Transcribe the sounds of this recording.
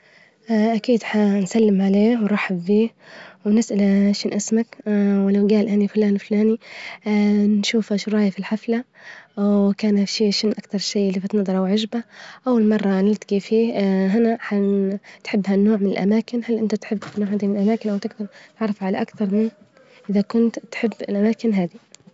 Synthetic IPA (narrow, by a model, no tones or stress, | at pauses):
ʔʔakiːd̪ħansalːɪmʕaleːwɾˤɑːħabːiːwnɪsʔalaʃɪnʔasmakwɪlawɡaːlʔanifʊlaːnfʊlaːni | nʃuːfaʃʊɾˤɑːjafilħafla | kaːnafʃiːʃɪnʔakt̪ɑɾˤʃiːʔɪlːibat̪nɑðˤɑɾˤɑwʕaʒbaʔawːalmɑrˤːɑnɪlt̪aɡifiːɦɪnaħat̪ħɪbːhanːoːʕmɪnɪlʔa̰maːkɪnhalʔɪnt̪at̪ħɪbːnoːʕhad̪imɪnlʔamaːkɪnʔawt̪ɪɡd̪ɑɾˤt̪ɪʕrˤːɪfʕalaʔakt̪ɑɾˤmɪn | ʔɪðakʊnt̪ːħɪbːɪlʔamaːkɪnɦaːd̪i